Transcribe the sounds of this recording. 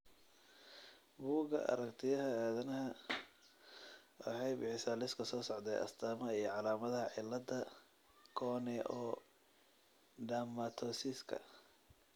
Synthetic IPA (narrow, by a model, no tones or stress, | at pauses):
buːɣɐ̰ʔɐ̰ɾɐkt̪ʰɪjɐɦɐaːðɐnɐɦɐ | wɑ̰ħɑjbɪħɪsaːlɪskʰɐsɔːsɔʕd̪ɛ̰jʔɐ̰st̪ʰaːmɐijɔʕɑlaːmɐðɐɦɐʕɪlːɐd̪ɐ | kʰɔːnɪʔɔː | ɖamɐt̪ʰɔsɪskʰɐ̰